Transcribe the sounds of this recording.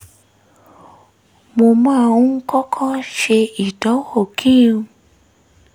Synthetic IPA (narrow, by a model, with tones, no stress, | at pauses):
mo˧mãː˦˧ũ˦ŋ̩˦kɔ˦kʰã˦ʃe˧i˨dɔ̃˨˦o˦˨kʰĩ˦˨ũ˧